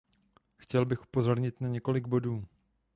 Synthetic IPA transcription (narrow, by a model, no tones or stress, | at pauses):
xcɛlbɪxʔu̥po̞zo̞ɾɲɪt̪naɲɛko̞lɪɡ̚bo̞duː